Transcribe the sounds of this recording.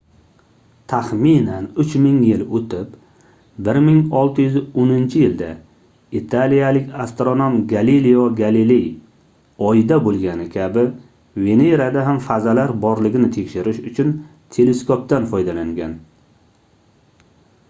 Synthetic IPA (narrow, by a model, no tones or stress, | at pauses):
t̪ʰaχminanʊt͡ʃmɪŋjɪlot̪ʰɪp | bɪɾmɪŋɒlˠt̪ʰɪjʏzɪonɪnt͡ʃʰɪjɪld̪a | it̪ʰalijalɪkʲʰast̪ɾonomɡalilijɒɡalilej | ɒjɪd̪abolˠɡʲanɪkʲʰabɪ | ve̞neɾad̪aɦamfazalaɾbɒɾlɪɡʲɪnɪt̪ʰe̞kʲʃɪɾɪʃʊt͡ʃʰʊn | t̪ʰe̞le̞skʰop̚t̪anfɒjd̪alaŋɡʲan